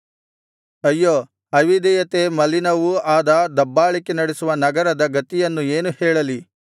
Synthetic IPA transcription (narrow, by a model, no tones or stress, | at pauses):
ɐjːoː | ɐʋid̪ɛjɐt̪emɐlinɐʋuaːd̪ɐd̪ɐbːaːɭikenɐɽesuʋɐnɐɡɐɾɐd̪ɐɡɐt̪ijɐnːueːnuhɛːɭɐli